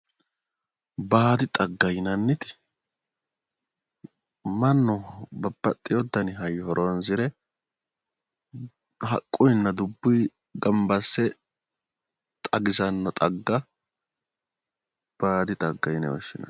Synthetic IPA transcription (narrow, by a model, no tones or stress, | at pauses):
baːd̪ɪt̪ʼɐɡːɐjɪnɐnːɪt̪ɪ̥ | mɐnːɔbɐbːɐt̪ʼːɪjɔd̪ːɐnɪɦɐjːɔhɔɾʔonzɪɾɛ | ɦɐ̰kʼːʊjnːɐd̪ʊbːʊj | ɡɐmbɐsːɛ | t̪ʼɐɡɪzɐnːɔt̪ʼɐɡːɐ | b̥aːd̪ɪt̪ʼɐɡːɐjɪnɐ̰wɔ̰ʃːɪnɐ̰n